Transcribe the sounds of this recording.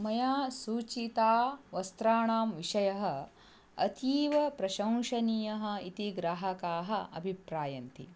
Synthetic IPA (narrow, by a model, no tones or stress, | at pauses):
mɐjaːsuːt͡ʃit̪aːʋɐst̪ɾaːɳaːmʋiʃɐjɐɦɐ̆ | ɐ̰t̪ʰiːʋɐpɾɐʃɐ̃w̃ʂɐniːjɐɦɐ̆it̪iɡɾaːɦɐkaːɦɐɐ̰bʱipɾaːjɐnt̪i